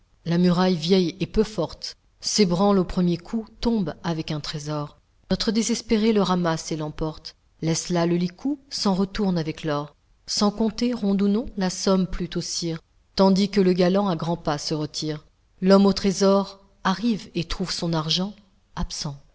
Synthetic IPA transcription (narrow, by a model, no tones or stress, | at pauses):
lamyʁajvjɛjɛpøfɔʁt̪ | sebʁɑ̃lopχəmjekʰut̪ɔ̃bavɛkɛ̃t̪χezɔʁ | nɔt̪χəd̪ezɛspeʁeləʁamaselɑ̃pɔʁt̪ | lɛslaləlikʰusɑ̃ʁət̪uʁnavɛklɔʁ | sɑ̃kɔ̃t̪eʁɔ̃d̪unɔ̃lasɔmplyt̪osiʁ | t̪ɑ̃d̪ikələɡalɑ̃aɡʁɑ̃pasəʁət̪ʰiʁ | lɔmot̪χezɔʁ | aʁivet̪χuvsɔ̃naʁʒɑ̃ | apsɑ̃